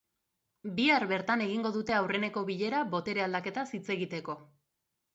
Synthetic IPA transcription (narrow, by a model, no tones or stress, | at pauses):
biaɾβe̞ɾt̪ane̞ɣiŋɡo̞ðut̪e̞awre̞ne̞ko̞βiʎe̞ɾaβo̞t̪e̞ɾeald̪ake̞t̪asit͡se̞ɣit̪e̞ko̞